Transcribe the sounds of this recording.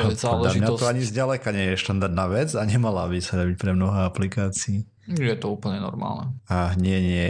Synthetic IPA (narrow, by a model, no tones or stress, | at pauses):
zalaɲat̪ɔaɲizɟalɛkaɲɛjɛʃt̪and̪aɾd̪naːʋɛd͡zaɲɛmalabisad̪abic̚pɾɛmnɔɦɛaplikaːt͡siiː | ʒɛjɛt̪ɔuːpl̩ɲɛnɔ̰ɾma̰ːlnɛaɲɛɲɪɛ